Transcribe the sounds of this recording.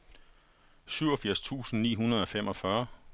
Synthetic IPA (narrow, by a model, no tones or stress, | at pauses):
syʊɒ̽fiɐ̰st͡sʰṵːsn̩nḭːɦunɐð̞ˠɒ̽femɒ̽fɶɐ